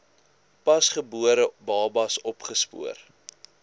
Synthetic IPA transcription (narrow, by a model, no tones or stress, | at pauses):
pɐsχəbuəɾəbɑːbɐsɔpχəspṵər